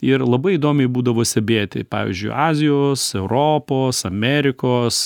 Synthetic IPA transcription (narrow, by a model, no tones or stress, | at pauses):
ɪrlˠɐbɐɪid̪oːmʲɛɪbuːd̪ɐʋoːsʲt̪ʲɛbʲeːt̪ʲɪ̰pɑ̰ːʋʲḭzʲd͡ʒʲʊ̰ɪɑːzʲɪjoːsɛʊɾoːpoːsɐmʲɛɾʲɪkoːs